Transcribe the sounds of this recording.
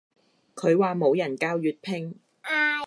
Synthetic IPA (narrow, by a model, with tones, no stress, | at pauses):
kʰɵ˨˧ɥwaː˨˧mo˨˧wjɐ˨˩nkaː˧˥wjyː˨˧t̚pʰɪ˧ŋː˨